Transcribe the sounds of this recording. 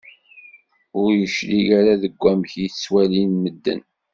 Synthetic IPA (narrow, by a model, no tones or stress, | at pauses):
ʊɾjəʃliʝaɾaðəɡʷːæmçjiθswælinməd̪ːə̰n